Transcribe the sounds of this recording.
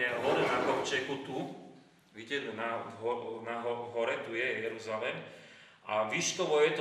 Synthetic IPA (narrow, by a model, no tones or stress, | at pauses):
ɛɦɔd̪ɛnakɔmt͡ʃɛkut̪u | ʋicɛnaɦɔnaɦɔɦɔɾɛt̪ujɛjɛɾuzalɛm | ʔa̰ʋiʃk̪ɔʋɔjɛt̪